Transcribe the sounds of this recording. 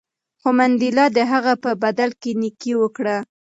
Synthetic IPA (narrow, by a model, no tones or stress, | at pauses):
xomand̪ilɑd̪əɦaɣapəbad̪alkenikiwəkɽa